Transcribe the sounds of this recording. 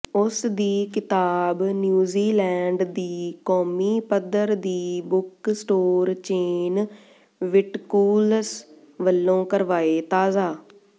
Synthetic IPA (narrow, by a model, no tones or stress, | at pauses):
ʊsd̪iːkɪt̪aːbnjuːziːlɛːɳɖd̪iːkɔːmiːpəd̪əɾd̪iːbʊksʈoːɾt͡ʃeːn | ʋɪʈkuːls | ʋəlːõːkəɾʋaːeːt̪aːzaː